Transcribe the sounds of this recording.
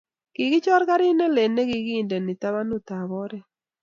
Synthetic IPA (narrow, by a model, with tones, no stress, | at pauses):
ɡ̥ɪ˨ɡɪ˦t͡ʃɔ˦ɾka˦ɾɪ˦ne˦le˨ne˦ɡɪ˨ɡi˦˨nde˨nɪ˨t̪a˦βa˦nu˦t̪a˨βɔ˦ɾɛ˦